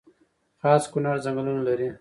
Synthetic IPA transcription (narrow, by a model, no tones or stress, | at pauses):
xɑːskʊnɑɾzaŋɡlunalaɾi